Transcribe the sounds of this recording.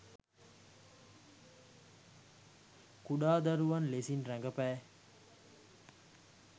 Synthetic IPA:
kuɗaːd̪ɐɾuʋɐnlesinɾæŋɡɐpæː

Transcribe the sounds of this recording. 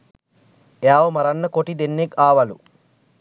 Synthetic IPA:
eaːʋomɐɾɐnːəkoʈid̪enːekaːʋɐlṵ

